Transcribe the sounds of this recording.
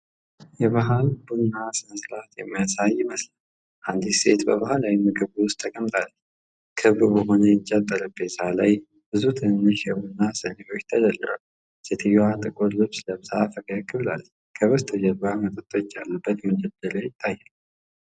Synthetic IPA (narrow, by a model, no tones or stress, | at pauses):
jɛβaɦalbunːasɨməslat̪jɛməsajːɪməsla | ʔand̪ise̞̰t̪bəβahalajmɨɡɨβuʊst̪ʰːəkʼəmt̪ʼal | kʰɨβbubəɦo̞nəjt͡ʃʼːat̪ʼːəɾɨbet̪ʰalaj | bɨzut̪ʰɨnːɨʃɛbunːasɨneʔo̞t͡ʃːt̪ʰəd͡ʒəlːɨɾo | set̪ʰɨjːat̪ʼɨkʼuɾlɨβsləβsaafəɡəkʼːɨβla̰l | kʰəβəst̪ʰəd͡ʒɛlbamət̪ʼət̪ʼːo̞t͡ʃːalːəbːət̪məd͡ʒɛd̪əɾajɪt̪ʰʼːajːɛl